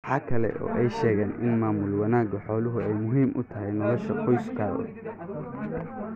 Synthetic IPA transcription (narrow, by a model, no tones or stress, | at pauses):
ħɑːkʰɐlɛ̰ʔɔ̰ːʔɛjʃɛːɣɛːnʔɪ̰nmaːmʊlwɐnaːɡɐħɔːlʊɦʊɛjmʊɦiːmʔʊ̰t̪ʰɐɦɛjnɔlɔʃɐqɔjskʰaːðɐ̰